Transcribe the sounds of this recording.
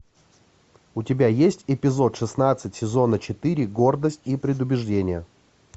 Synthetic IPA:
ʊtʲɪbʲajesʲtʲɪpʲɪzo̞t̪ʂɨsnat̪sɨtʲsʲɪzo̞nət͡ɕɪt̪ɨɾʲɪɡo̞rd̪əsʲtʲipɾʲɪd̪ʊbʲɪʐdʲenʲɪjə

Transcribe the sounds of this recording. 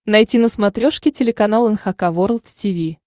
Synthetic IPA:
nɐjtʲinəsmɐt̪ɾʲoʂkʲɪtʲɪlʲɪkɐnalˠənxɐkavoɾlˠt̪tʲivʲi

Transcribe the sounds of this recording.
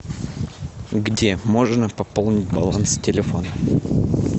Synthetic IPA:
ɡdʲemo̞ʐnəpɐpolˠnʲɪt̚ʲbɐ̰lˠanstʲɪlʲɪfo̞nə

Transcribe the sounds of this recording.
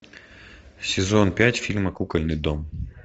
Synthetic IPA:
sʲɪzonpʲatʲfʲilʲmɐkukɐlʲnɨd̪om

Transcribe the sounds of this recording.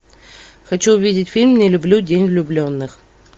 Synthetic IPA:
xɐt͡ɕuʊvʲidʲɪtʲfʲilʲmnʲelʲʊblʲudʲenʲlʲʊblʲonːɨx

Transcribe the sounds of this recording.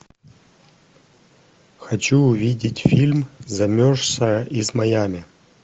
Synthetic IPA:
xɐt͡ɕuːvʲidʲɪtʲfʲilʲmzɐmʲoʂsɐizmɐjamʲɪ

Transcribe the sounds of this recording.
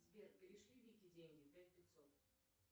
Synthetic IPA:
zʲbʲerpʲɪɾiʂlʲivʲikʲid͡zʲenʲɡʲipʲæt͡sʲpʲɪt̪sɔt̪

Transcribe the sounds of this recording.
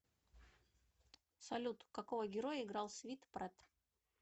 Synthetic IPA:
sɐlʲut̪kɐkovəɡʲɪɾojəɪɡɾalˠsʲvʲit̪pɾɛt̪

